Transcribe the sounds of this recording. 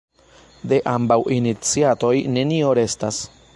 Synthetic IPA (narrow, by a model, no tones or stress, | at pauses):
d̪e̞ʔambawʔinit͡siat̪o̞jne̞nioɾe̞stas